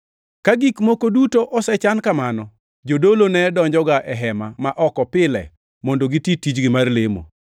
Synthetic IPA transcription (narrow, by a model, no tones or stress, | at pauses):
kaɡikmokodutoʔɔsɛt͡ʃankamanɔ | d͡ʒodolonɛdɔɲd͡ʒɔɡaʔɛɦɛmamaʔɔkɔpɪlɛ̰ | mɔndoɡititid͡ʒɡɪmarlemo̰